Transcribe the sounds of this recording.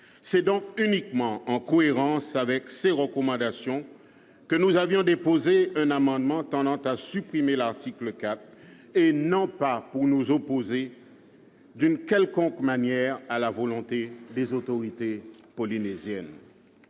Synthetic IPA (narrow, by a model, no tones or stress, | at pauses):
sɛd̪ɔ̃k̚ynikmɑ̃ɑ̃kɔeʁɑ̃savɛkseʁəkɔmɑ̃d̪asjɔ̃ | kənuzavjɔ̃d̪epozeɛ̃namɑ̃d̪mɑ̃t̪ɑ̃d̪ɑ̃t̪asypχimelaʁt̪ʰikləkat̪χ | enɔ̃papuʁnuzopoze | d̪ynkʲɛlkɔ̃kmanjɛːʁalavɔlɔ̃t̪ed̪ezot̪oʁit̪e | pɔlinezjɛn